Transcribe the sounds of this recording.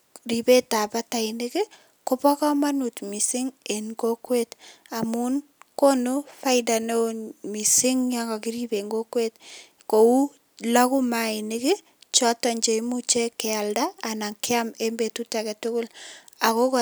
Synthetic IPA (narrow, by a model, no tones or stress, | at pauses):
ripetapataɪnɪkɪ | kɔpɔkɔmanutmisɪŋenɡokwetamun | kɔnufaɪdanomisɪŋjaɡakɪɾibeŋɡokwet̚ | kou | lakumainɪkɪ | t͡ʃɔtaɲd͡ʒeimut͡ʃekɛaldaːnaŋkɪamembetutakɛtʊkʊl | akok